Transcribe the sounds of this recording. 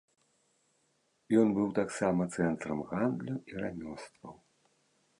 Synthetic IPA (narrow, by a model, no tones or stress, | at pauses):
jɔnbɨwt̪aksamɐt̪sɛnt̪ɾɐmɣand̪lʲuiɾanʲɔst̪vɐw